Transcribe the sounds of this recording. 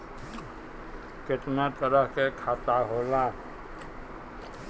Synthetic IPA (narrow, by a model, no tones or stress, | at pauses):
kɪt̪net̪əɾəɦkekʰaːt̪aɦoːlaː